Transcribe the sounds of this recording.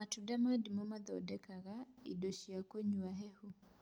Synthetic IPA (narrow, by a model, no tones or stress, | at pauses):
matudamadimɔmad̪ɔdɛkaɣaḭdoʃiakoɲuaɦɛhu